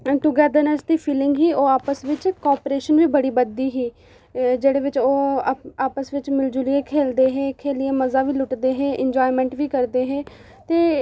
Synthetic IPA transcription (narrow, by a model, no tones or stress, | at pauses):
ʈʊɡɛːd̪ənəsd̪iːpʰiːlɪŋɡɦiːʔoːaːpəsʋɪt͡ʃkɔːɾpɾeːʃənʋiːbəɽiːbəd̪iːɦiː | d͡ʒeːɽeːʋɪt͡ʃoːaːpəsʋɪt͡ʃmɪld͡ʒulieːkʰeːld̪eːɦeːkʰeːlɪeːməzaːʋiːlʊʈd̪eːɦeːʔɪɲd͡ʒɔːimɛ̃ːɳʈʋiːkəɾd̪eːɦeː | t̪eː